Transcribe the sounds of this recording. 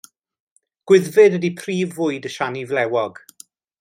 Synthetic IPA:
ɡ̥wɪðvɪdədipʰriːvʊɨdəʃanivlɛwɔɡ̥

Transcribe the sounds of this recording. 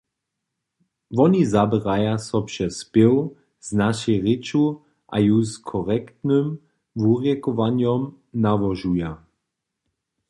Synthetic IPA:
vɔnizabɛʁajasɔpʃɛspew | z̥naʃɛʁɪt͡ʃu | ʔa̰juskʰɔʁɛkt̪nɨm | vuʁjɛkɔvanjɔm | navɔʒuja

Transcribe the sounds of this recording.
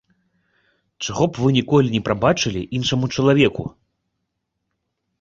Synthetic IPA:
t͡ʂaɣɔpvɨnʲikɔlʲinʲɛpɾabat͡ʂɨlʲḭʔinʂɐmut͡ʂɐlˠavʲɛkṵ

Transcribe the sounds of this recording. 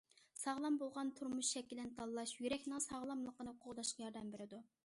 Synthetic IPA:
sɑʁlˠɑmbolˠʁɑnt̪ʰuɾmuʃʃɛkʲːilɪnɪt̪ʰɑlˠːɑʃjyɾɛkʲnɨŋsɑʁlˠɑmlˠəqːənɨhoqʰʊʁd̪ɑʃqɑjɑɾd̪ɛmbeɾɪd̪u

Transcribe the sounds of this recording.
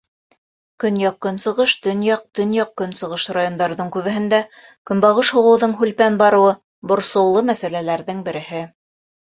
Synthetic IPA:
kɵnjɑqkːɵ̆nsɤ̆ʁɤʃt̪ɵ̆njɑq̚t̪ɵ̆njɑq̚kːɵnsɤ̆ʁɤʃrajond̪ɑɾðɤɴkʉβɘ̆ɦɘ̆nd̪æ | kɵ̆nbɑʁɤʃhŭʁɤ̆wðɤɴɦʉlpænbɑɾɤ̆wɤ | bŏɾsɤ̆wlˠɤmæsælælæɾðɘŋbɘ̆ɾɘ̆hɘ

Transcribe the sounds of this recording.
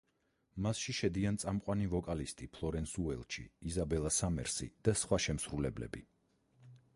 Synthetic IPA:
masʃiʃɛd̪iant̪sʼamqʼwanivɔkʼalist̪ʼipʰlˠɔɾɛnsuɛ̰lˠʃḭːzabɛlˠasamɛ̰ɾsḭd̪̥asχwaʃɛmsɾulɛblɛ̰bi

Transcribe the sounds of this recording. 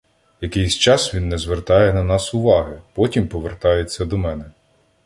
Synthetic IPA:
jɐkɪjsʲt͡ʃɑsʋʲinːɛzʋert̪ɑjɛnɐnɑsʊʋɑɦɪpɔtʲimpɔʋert̪ɑjet͡sʲːɐd̪ɔmɛnɛ

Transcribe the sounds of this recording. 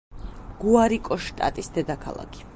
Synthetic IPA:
ɡ̥uaɾikʼɔʃt̪ʼa̰t̪ʼisd̪ɛd̪akʰa̰lˠa̰kʰi̥

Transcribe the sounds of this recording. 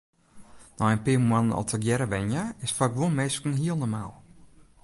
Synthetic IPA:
nɔənpɪəmmanənɔ̰lˠtəkjɛɾəʋɛnjaɪsfakʋunmeːskən̩ɦiəlˠnɔrmaːlˠ

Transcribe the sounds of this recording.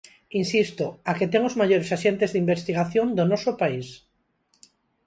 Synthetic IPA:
insist̪oaket̪eŋozmaʎoɾesaʃent̪ezðimbest̪iɣ̞aθjond̪onɔsopais

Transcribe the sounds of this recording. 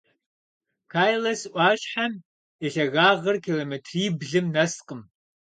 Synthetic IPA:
kʰaːjlɐsʔʷɑːɕħam | iɬɐɣaːʁɐrkʰiːloːmetʰriːbɮɨmnɐsqəm

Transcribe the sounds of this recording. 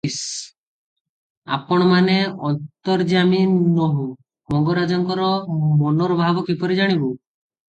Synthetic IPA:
s | a̰pɔɽ̃maneɔnt̪ɔɾd͡ʒaminːɔɦũ | mɔŋɡɔɾad͡ʒɔŋkɔɾɔmɔnɔɾɔbʱabɔkipɔɾid͡ʒaɽ̃ibu

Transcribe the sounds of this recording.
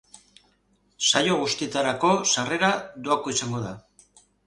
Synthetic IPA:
sajo̞ɣ̞ust̪iet̪aɾako̞sare̞ɾad̪oako̞isaŋɡo̞ða

